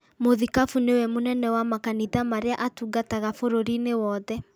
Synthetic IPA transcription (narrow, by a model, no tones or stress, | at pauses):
moðikafunewɛmonɛnɛwamakaniðamaɾeaʔatuɡataɣafoɾoɾinewɔːðɛ